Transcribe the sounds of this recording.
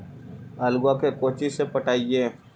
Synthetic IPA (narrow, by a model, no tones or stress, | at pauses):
ɐlɡakekoːt͡ʃisepəʈaːieː